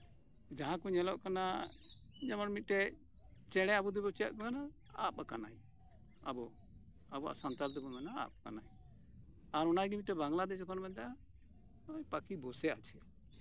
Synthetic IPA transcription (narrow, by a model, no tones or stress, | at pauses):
d͡ʒaɦãkuɲɛlɔʔkana | d͡ʒamanmit̪̚ʈɛ | t͡ʃɛɽ̃ɛabud̪ɛbɔt͡ʃa̰ʔ̪̚bɛɡana | a̰pkana̰j | abɔ | abɔa̰ʔsant̪ald̪ɛbɔmɛnaa̰p̚kanaj | aɾɔnajɡimit̪̚ʈɛbaŋlad̪ɛd͡ʒɔkɔnmɛd̪a | jpakibɔsɛat͡ʃʰɛ